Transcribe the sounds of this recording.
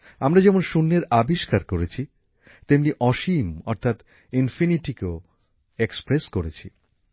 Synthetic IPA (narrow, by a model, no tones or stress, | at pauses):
amɾad͡ʑɛmonʃunːeɾabiʃkaɾkoɾet͡ɕʰi | t̪emniʔɔʃimɔɾt̪ʰat̪ | infiniʈikeo | ekspɾeskoɾet͡ɕʰḭ